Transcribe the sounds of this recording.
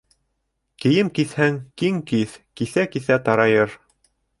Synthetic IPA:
kɘ̆jɘmkiθhæŋkiŋkiθkiθækiθæt̪ɑɾɑjɤɾ

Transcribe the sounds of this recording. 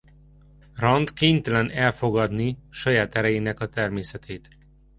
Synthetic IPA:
rɒnt̪keːɲt̪ɛlɛnɛlfo̞ɡɒd̪niʃɒjaːt̪ɛɾɛjeːnɛkɒt̪ɛrmeːsɛt̪ʰeːt̪

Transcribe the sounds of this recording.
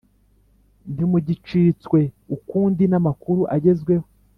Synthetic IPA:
n̥imuɟit͡ʃit͡swe̞ | ukuːndinamakuɾuʔaɟe̞zɡwe̞ho

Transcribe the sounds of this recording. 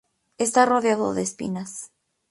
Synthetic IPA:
est̪aroðjaðo̰ðeːspḭnas

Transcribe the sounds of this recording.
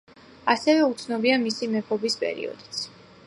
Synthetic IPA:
asɛvɛut̪sʰnɔbiamisimɛpʰɔbispʼɛ̰ɾḭɔ̰d̪it̪sʰ

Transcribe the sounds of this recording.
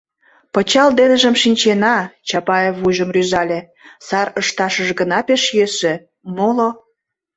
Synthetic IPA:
pət͡ɕɑld̪enəʒəmʃinʲt͡ɕenɑt͡ɕɑpɑjevuʒəmryzɑlʲe | sɑrəʃt̪ɑʃəʒɡənɑpeʃjeʃĕ | molo

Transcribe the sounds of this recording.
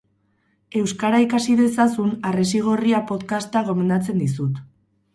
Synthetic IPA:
e̞wskaɾaikasiðe̞sasunares̬iɣ̞o̞riapo̞t̪kast̪aɣ̞o̞me̞nd̪at͡se̞nd̪isut̪

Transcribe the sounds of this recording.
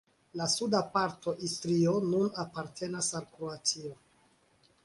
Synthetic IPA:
lasudapaɾto̞ʔistɾio̞nunapaɾtʰe̞nasalkɾoat͡sio̞

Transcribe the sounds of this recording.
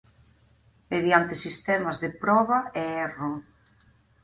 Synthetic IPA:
meðjant̪ɪsist̪ɛmazðepɾɔβɐɛɛro

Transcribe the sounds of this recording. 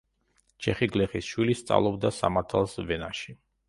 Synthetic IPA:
t͡ʃʰɛχiɡlɛχisʃwilist̪sʼa̰vlˠɔbd̪asa̰maɾt̪ʰalˠsvɛnaʃi

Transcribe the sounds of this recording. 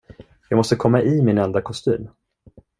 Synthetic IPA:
jɑːɡmɔst̪əkʰɔmːaʔɪmɪnɛnd̪akʰɔst̪y̰ːm

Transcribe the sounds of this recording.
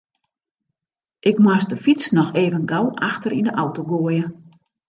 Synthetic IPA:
ʔɪkmwasdəfit͡snɔxeːvənɡawʔaxtərindəʔawtoɡoəjə

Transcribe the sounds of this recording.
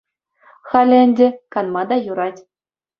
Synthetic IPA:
χɑlʲɘ̆ɘ̆nʲdʲɘ̆kɑnmɑd̪ɑjuɾɑtʲ

